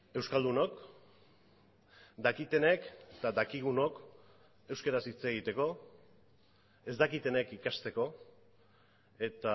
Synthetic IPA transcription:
e̞wskald̪uno̞k | d̪akit̪e̞neket̪ad̪akiɣ̞uno̞k | e̞wskeɾasit͡se̞ɣ̞it̪e̞ko̞ | e̞zd̪akit̪e̞nekikast̪e̞ko̞ | e̞t̪a

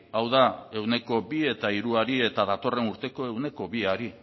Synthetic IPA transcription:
awðae̞wne̞ko̞bie̞t̪aiɾuaɾie̞t̪aðat̪o̞re̞nuɾt̪e̞ko̞e̞wne̞ko̞βiaɾi

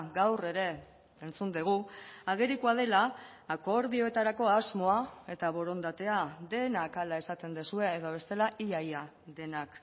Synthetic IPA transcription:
ɡawre̞ɾe̞ | ent͡sund̪eɣ̞uaɣeɾikuað̞e̞laːko̞ɾðio̞e̞t̪aɾako̞azmo̞ae̞t̪aβo̞ɾo̞nd̪at̪e̞ad̪e̞nakalae̞sat̪e̞nd̪esue̞ːðoβ̞e̞st̪e̞laʔiaja | ðe̞nak

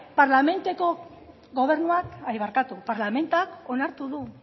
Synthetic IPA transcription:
paɾlame̞nt̪eko̞ | ɡo̞β̞e̞ɾnuakajβaɾkat̪upaɾlame̞nt̪uako̞naɾt̪uðu

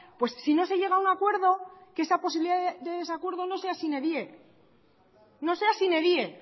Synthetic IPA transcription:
pwe̞sːino̞se̞ʝe̞ɣ̞aunakwe̞ɾðo̞kesapo̞s̬iβiliðaðd̪e̞ðe̞sakwe̞ɾðo̞no̞se̞asineðje | no̞se̞asine̞ðje̞

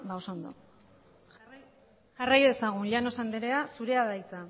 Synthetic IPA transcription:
baosond̪o̞̰ | ʝarajðe̞saɣ̞unʎano̞sand̪eɾe̞asuɾe̞aðajt͡sa

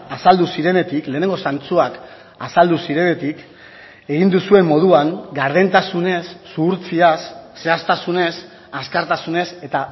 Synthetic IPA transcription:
asald̪usiɾe̞ne̞t̪ikle̞ːne̞ŋɡo̞sant͡suak | a̰sald̪usiɾe̞ne̞t̪ik | e̞ɣind̪usue̞mːo̞ð̞uaŋɡaɾðe̞nt̪asune̞sːuːɾt͡siasːe̞ast̪asune̞s | askaɾt̪asune̞se̞t̪a

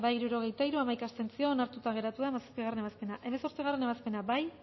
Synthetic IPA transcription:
bajiɾuɾo̞ɣ̞e̞jt̪aiɾuamajkast̪e̞nt͡sio̞ːnaɾt̪ut̪aɣ̞e̞ɾat̪uðaemasḁspiɣare̞ne̞βaspe̞naʔe̞meso̞ɾt͡siɣ̞are̞ne̞βaspe̞nabaj

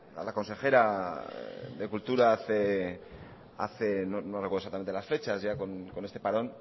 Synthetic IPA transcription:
a̰lako̞nse̞xe̞ɾa | ðe̞kult̪uɾaaθe | a̰θe̞nonorekwðs̬at̪ament̪elasfe̞t͡ʃazʝako̞nko̞nest̪e̞paɾo̞n

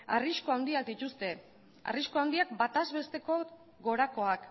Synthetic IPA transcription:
a̰riskoawnd̪iak̚d̪it̪ust̪e̞ | a̰riskoawnd̪iak̚bat̪azβe̞st̪e̞ko̞ | ɣo̞ɾako̞ak

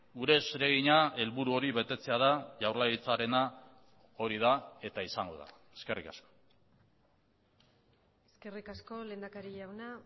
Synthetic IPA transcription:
ɡuɾe̞sɾe̞ɣ̞iɲae̞lβuɾuo̞ɾiβe̞t̪e̞t͡se̞að̞aʝawrlajit͡saɾe̞na | o̞ɾið̞ae̞t̪aisaŋɡo̞̰ða̰ | e̥ske̞rika̰sko̥ | eske̞rikasko̞le̞ːnd̪akaɾiʝawna

